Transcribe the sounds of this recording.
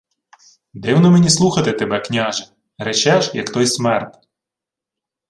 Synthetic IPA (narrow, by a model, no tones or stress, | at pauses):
d̪ɪwnɔmenʲislˠuxɐt̪ɪt̪ebɛknʲaʒɪ | ɾet͡ʃɛʒjɐkt̪ɔjsmɛrt̪ʲ